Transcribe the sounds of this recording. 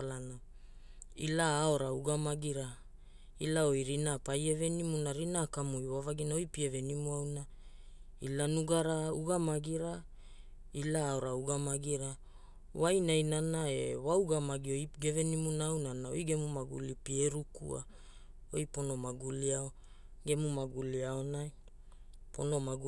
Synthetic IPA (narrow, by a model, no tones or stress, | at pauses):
alana | ilaːo̞ɾauɡamaɡiɾa | ilao̞jɾinapaje̞ve̞nimunaɾinakamujwavaɡinaojpievenimuawna | ilanuɡaɾauɡamaɡiɾa | ilaːo̞ɾauɡamaɡiɾa | wajnajnanaewauɡamaɡiojɡe̞venimunawnanao̰jɡe̞mumaɡṵlipieɾukṵa̰ | ojpo̞no̞maɡuliao | ɡe̞mumaɡuliaonaj | po̰no̞maɡu